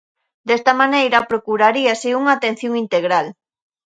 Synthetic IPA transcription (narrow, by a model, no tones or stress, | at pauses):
d̪est̪amanejɾɐpɾokuɾaɾiasɪuŋaːt̪en̟θjoŋint̪eɣɾal